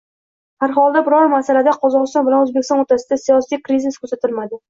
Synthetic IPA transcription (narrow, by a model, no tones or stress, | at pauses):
haɾɦɒlˠd̪abɪɾɒɾmasalad̪aqʰɒzɒʁɨst̪ɒnbɪlanɵzbekʲɪst̪ɒnoɾt̪ʰasɪd̪asijɒsijkɾiziskʰɵɾsat̪ʰɪlmad̪ɪ